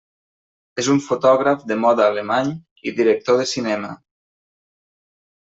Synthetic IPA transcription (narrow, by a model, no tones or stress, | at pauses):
ezuɱfot̪ɔɣɾafd̪emɔðaːlemaɲ | iðiɾək̚t̪oðesinɛma̰